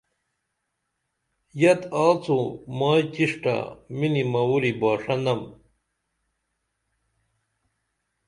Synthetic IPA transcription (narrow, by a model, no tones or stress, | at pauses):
jɐt̪aːt͡sʰumaːjt͡ɕiʂʈɐ̰minimɐuɾibaːʂɐnɐm